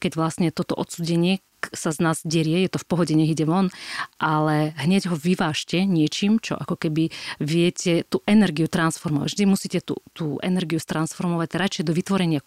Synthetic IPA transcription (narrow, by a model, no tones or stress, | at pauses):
kɛɟʋlastɲɛt̪ɔt̪ɔʔɔt̪suːɟɛɲɪɛ | saznaːzɟɛɾɪɛjɛt̪ɔfpɔɦɔɟɛɲɛɣiɟɛʋɔnʔalɛɦɲɛɟɦɔʋiʋaːʃcɛɲɪɛt͡ʃiːmt͡ʃɔ̰ʔakɔkɛbiʋɪɛcɛt̪uʔɛnɛɾɡijut̪ɾansfɔɾmɔʋa̰ɟʒd̪imusiːcɛt̪ṵt̪uːʔɛ̰nɛɾɡijust̪ɾansfɔɾmɔʋaɟɾat͡ʃɛjd̪ɔʋit̪ʋɔɾɛɲɪa